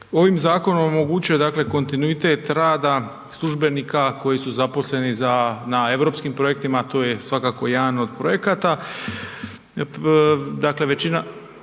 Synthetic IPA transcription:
o̞ʋimzaːko̞nomomo̞ɡut͡ɕujed̪akle̞ko̞nt̪inuit̪e̞t̪ɾaːd̪a | slˠuʒbe̞niːkako̞jisuzapo̞sle̞nizanae̞ʋɾo̞ːpskimpɾo̞je̞k̚t̪imat̪o̞ːje̞sʋakako̞jaːnood̪̚pɾo̞je̞kat̪a | d̪akle̞ʋe̞t͡ɕina

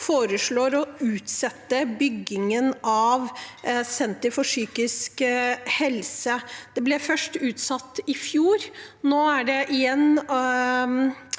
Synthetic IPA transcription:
foːɾəʂɭoːɾɔʉːt̪sɛt̪ːəbʏɡːɪŋənʔɑʋsɛnt̪əfɔʂyːkɪskhɛlsəd̪̥ɛblɛfœʂʈʉːt̪sɑt̪ːɪfjuːɾnoːæɖɛʔɪjɛnː

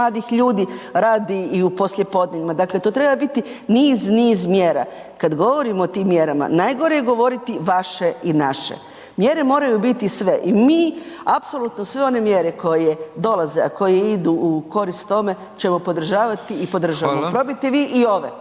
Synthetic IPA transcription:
aːd̪ixʎuːd̪iɾaːd̪iːupo̞slʲʎje̞po̞d̪neɲimad̪aːkle̞t̪oːt̪ɾebabit̪i | niːzniːzmjeːɾa̰ | kad̪ɡo̞ʋo̞ɾimoːt̪iːmːjeɾama̰najɡo̞ɾejeɡo̞ʋo̞ɾit̪iʋaʃe̞inaʃḛ | mjeɾe̞mo̞ːɾajubit̪isʋe̞ʔimiːapso̞lˠut̪nosʋeo̞ne̞mje̞ɾekʰo̞jed̪o̞lazeako̞jeid̪uuko̞ɾist̪t̪ːo̞me̞ | t͡ʃe̞mopo̞d̪r̩ʒaːʋat̪iipo̞d̪ɾr̩ʒaʋaamopɾo̞bit̪eʋiːʔio̞ʋe

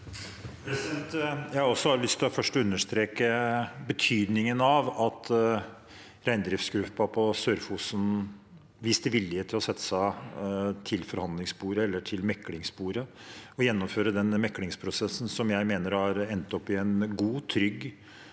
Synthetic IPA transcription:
pʰɾɛsd̪ɛnt̪jæɪɑɾɔsːɔhɑɾlʏst̪ʰɪlɑfœʂʈɔʉnːəʂt̪ɾeːkəbət̪ʰyːd̪nɪŋənɑʋɑt̪ | ɾæɪnd̪ɾɪfsɡɾʉːpːɑpʰɔsøːɾfusn | ʋiːst̪əʋɪlːɪhəːt̪ʰɪlɔsɛt̪ːə̥sæɪ | t̪ʰɪlfɔɾhɑnd̪lɪŋspuːɾəɛlːəʈʰɪlmɛkːlɪŋspuːɾəɔjɛnːɔmføːɾəd̪ɛnmɛkːlɪŋspʰɾʊsɛsn̩sɔmjæɪmeːnəɾhɑɾɛnːt̪ɔpːɪɛnɡuːt̪ʰɾʏɡ

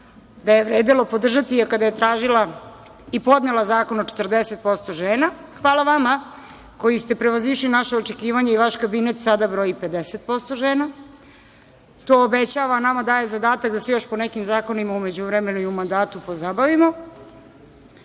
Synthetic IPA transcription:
d̪ajeʋɾeːd̪elo̞po̞d̪r̩ʒat̪iakad̪aje̞t̪ɾaːʒila | ipo̞d̪ne̞lˠazaːko̞not͡ʃe̥t̪r̩d̪eset̪̚po̞st̪o̞ʒeːna | xʋaːlˠaʋama | ko̞jist̪e̞pɾe̞ʋaziʃlinaʃeot͡ʃe̞kiːʋaɲaiʋaʃkabinet̪sad̪abɾo̞ːjipe̞d̪eset̪̚po̞st̪o̞ʒeːna | t̪oːbet͡ɕaːʋanamad̪aːje̞zad̪aːt̪akd̪asejo̞ʃpo̞nekimzaːko̞nimaume̞d͡ʑuʋɾeme̞nuiumand̪aːt̪upo̞zabaʋimo

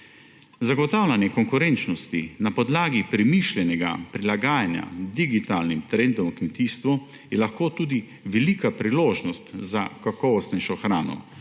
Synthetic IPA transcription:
zaɡɔt̪aːwlʲanjɛkɔŋkuɾɛnt͡ʃnɔst̪inapɔd̪laːɡipɾɛmiʃlʲjɛnɛɡa̰pɾilaɡaːjanja̰d̪iɡit̪aːlnimt̪ɾɛnd̪ɔmkmet̪iːst̪ʋɔ | jɛlaxkoːt̪uːd̪i | ʋɛliːkapɾiloːʒnɔst̪zakakɔʋɔst̪nɛʃɔxɾaːnɔ̰

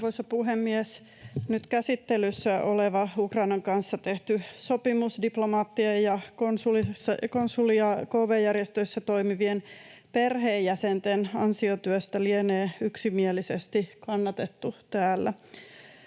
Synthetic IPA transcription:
ʋoisɑpuɦemːies | nyt̪kæsit̪ːelysːæʔo̞leʋɑukrɑinɑŋkɑnsːɑt̪eht̪ysopimusdiplomɑːt̪ːiejjɑkonsulisːɑkonsuliɑkoːʋejːærjest̪øisːæt̪oimiʋien | perɦeːjjæsent̪enɑ̰nsiot̪yøst̪ælieneːyksimielisest̪ikɑnːɑt̪et̪ːut̪æːlːæ

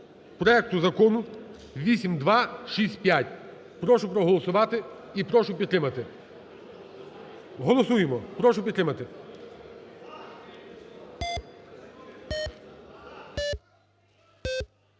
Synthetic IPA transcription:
pɾɔɛk̚t̪ʊzɐkɔnʊ | ʋʲisʲimd̪ʋɑʃisʲtʲpʲjatʲ | pɾɔʃʊpɾɔɦɔlˠɔsʊʋɑt̪ɪ | ipɾɔʃʊpʲid̪t̪ːɾɪmɐt̪ɪ | ɦɔlˠɔsujemɔpɾɔʃʊpʲid̪t̪ɾɪmɐt̪ɪ

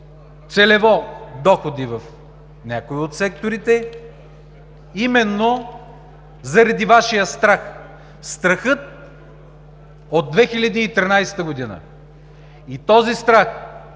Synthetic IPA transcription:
t̪sɛlɛvɔd̪ɔxod̪ivɐf | nʲakoiot̪sɛk̚t̪oɾit̪ɛ | imɛnːo | zɐɾɐd̪ivaʃijəst̪ɾax | st̪ɾɐxɤt̪̚ | od̪̚ːvɛxilʲɐd̪iːt̪ɾʲinajsɛ̥t̪əɡod̪inə̰ | it̪ɔzist̪ɾax

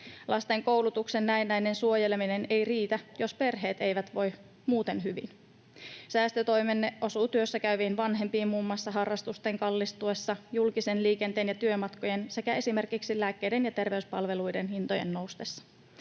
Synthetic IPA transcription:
lʔɑst̪e̞ŋko̞wlut̪uksenːæenːæjne̞nsuo̞je̞lemine̞ne̞jriːt̪æjo̞spe̞rɦe̞ːt̪e̞jʋæt̪ʋo̞j | muːt̪e̞nɦyʋḭn | sæːst̪øt̪o̞jme̞nːeʔo̞suːt̪yø̞sːækæyʋiːnʋɑnɦe̞mpiːmmumːɑsːɑɦɑrːɑst̪ust̪e̞ŋkɑlːist̪ue̞sːɑjulkisenliːke̞nt̪eːnjɑt̪yømɑt̪ko̞je̞nse̞kæe̞sime̞rkiksilæːkːe̞jde̞njɑt̪e̞rʋe̞yspɑlʋelujde̞nhint̪oje̞̰nːo̞wst̪esːɑ̥

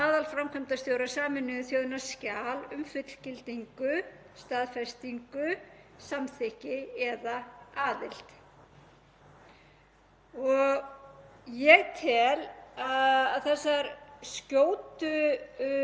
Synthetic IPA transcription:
aːðalfɾamkʰœmt̪ast̪jowɾasaːmɪnːʏɪθjoːwðʏnḁscaːlʏmfɪt̪l̥cɪlt̪iŋkʏ | st̪aːðfɛst̪iŋkʏsamθɪhcɪɛðaaːðɪl̥t̪ | ɔɣ | jɛɣt̪ʰɛlaaðθɛsːaɾscoːwt̪ʏ

